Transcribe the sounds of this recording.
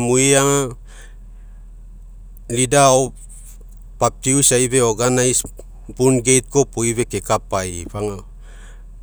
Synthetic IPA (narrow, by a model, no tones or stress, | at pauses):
muiaŋa | lidao | pap̚tiusajβe̞oɡanajs | bunɡe̞jt̚ko̞poiβe̞kekapajpaŋa